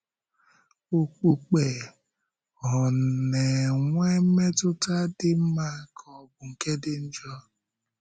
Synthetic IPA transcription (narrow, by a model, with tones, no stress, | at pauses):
o˨k͡pu˨k͡pe˨ | ɔ˨ne˨ŋʷe˦m̩˦me˦tʊ˦ta˦dɪ˦m̩˦ma˦kʰɔ˨˦bʊ˨ŋ̩˨ke˦dɪ˦n̩˦d͡ʒɔ˦